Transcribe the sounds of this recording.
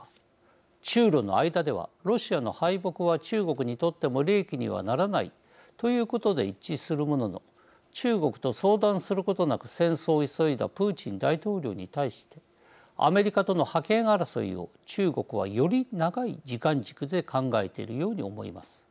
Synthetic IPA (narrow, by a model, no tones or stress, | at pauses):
t͡ɕɨːɾo̞no̞̰aid̪ad̪e̞βa̰ɾo̞ɕiano̞̰haibo̞kɯ̟β̞at͡ɕɨːɡo̞kɯ̟ɲ̟it̪o̞t̪ːe̞mo̞ɾʲe̞ːkʲiɲ̟ḭβ̞a̰naɾanaḭ | t̪o̞jɯ̟ːko̞t̪o̞d̪e̞it͡ɕːisɨɾɯ̟mo̞no̞no̞̰ | t͡ɕɨːɡo̞kɯ̟̥t̪o̞so̞ːd̪ãɰ̃sɨɾɯ̟ko̞t̪o̞nakɯ̟̥sẽ̞ɰ̃so̞ːiso̞id̪a̰pɯ̟ːt͡ɕĩnd̪ait̪o̞ːɾʲo̞̰ːɲ̟it̪aiɕi̥t̪e̞ | a̰me̞ɾʲikat̪o̞no̞hakẽ̞ɰ̃aɾaso̞̰ḭo̞̰ | t͡ɕɨːɡo̞kɯ̟β̞a̰jo̞ɾʲinaɡaid͡ʑikãɲd͡ʑi̥kɯ̟d̪e̞kʰãŋɡae̞̰t̪eiɾɯ̟jo̞ːɲ̟io̞mo̞̰ḭma̰sɨ̥